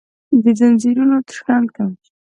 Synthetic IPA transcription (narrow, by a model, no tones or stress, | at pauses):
d̪əd̪anziɾunot̪ə̥ʂkɑnkam